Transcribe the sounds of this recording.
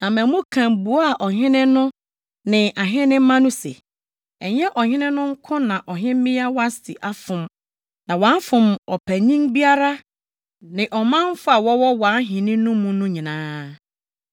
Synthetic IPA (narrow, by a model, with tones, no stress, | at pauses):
nã˨mæ̃˨mũ˦kʰã˨mbu˨ɔ˦a˨ʔɔ˨ɦɪ̃˦nɪ̃˦nʊ̃˦ | nɪ̃˨ʔa˨ɦɪ̃˦nɪ̃˦m̩˦mã˦nʊ̃˦sɛ̰˨ | ɛ˨ɲ˦ɛ˦ʔɔ˨hɪ̃˦nɪ̃˦nʊ̃˦ŋ̩˦kʰʊ̃˦nã˨ʔɔ˨ɦɪ̃˦m˦mɪ̃˦a˦wa˦sɪ̰˨ʔa˦fʊ̃˨m | nã˨wã˨˦n˦fʊ̃˨mɔ˨pʰæ˨ɲĩ˦ŋbi˦a˦ɾa˦ | nɪ̃˨ʔɔ˨mã˦m˦fʊ˦a˨wɔ˦wɔ˦wa˨˦n˦ɦɪ̃˨nɪ̃˦nʊ̃˦mũ˦nʊ̃˦ɲĩ˨nãː˦